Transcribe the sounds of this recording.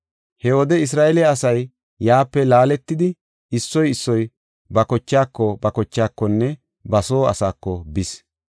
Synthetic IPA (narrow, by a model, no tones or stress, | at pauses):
hɛwɔd̪ɛɪs̬ɾaːʔɛlɪaːsɐjː | aːpːɛlaːlɛt̪ːɪd̪ɪ | ɪsːɔjɪsːɔj | bɐkɔt͡ʃːaːkːɔbɐkɔt͡ʃːaːkːɔnːɛ | bɐso̞ːɐ̰saːkːɔbɪs